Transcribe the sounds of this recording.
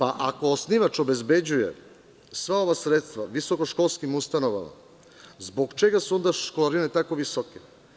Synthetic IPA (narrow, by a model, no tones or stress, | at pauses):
paʔako̞ːsniʋat͡ʃo̞be̞zbe̞d͡ʑuje̞̰ | sʋao̞ʋasɾe̞t̪st̪ʋaʋiso̞ko̞ʃko̞lˠskimust̪ano̞ʋa̰ma̰ | zbo̞ɡt͡ʃe̞ɡasuo̞nd̪aʃkolaɾine̞t̪akoʋisoke